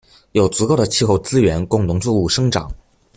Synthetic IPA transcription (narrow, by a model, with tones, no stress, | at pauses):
jo˨˩ʊt͡su˧˥ko˥˩ʊd̪ə˩t͡ɕʰi˥˧xo˥˧ʊt͡sɹ̩˥ɥɛ˧˥nkʊ˥˩ŋt̪ʰʊ˧˥ŋt͡su˥˧u˥˩ʂɤ˥ŋʈ͡ʂɑ̰˨˩˦ŋ